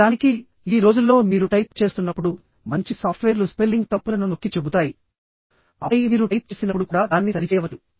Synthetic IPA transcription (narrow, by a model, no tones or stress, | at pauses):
aːniki | iːɾo̞ːd͡ʒulːo̞ːmiːɾuʈɐjp̚t͡ʃe̞ːst̪unːɐpːuɽu | mɐɲt͡ʃisaːpʰʈʋeːɾluspelːiŋɡt̪ɐpːulɐnuno̞kːit͡ʃebut̪aːji | ɐɐjiʋiːɾuʈɐjp̚t͡ʃeːsinɐpːuɽukuːɽaːd̪aːnːisɐɾit͡ʃɛːʋɐu